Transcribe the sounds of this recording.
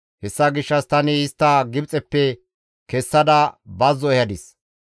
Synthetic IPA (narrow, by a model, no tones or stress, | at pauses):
hɛsːɐɡɪʃːɐst̪ɐnɪɪst̪ːɐɡɪbt͡sʼɛpːɛ | kɛsːɐd̪ɐbɐzːɔɛjɐd̪ɪs